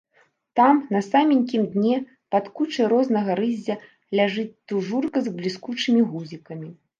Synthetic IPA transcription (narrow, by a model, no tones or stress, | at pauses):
t̪amnɐsamʲinʲkʲimd̪ʲnʲɛ | pat̪kut͡ʂɐjɾɔznɐɣɐɾɨzʲːɐ | lʲaʐɨt͡sʲt̪uʐurkɐzblʲiskut͡ʂɨmʲiɣuzʲikɐmʲi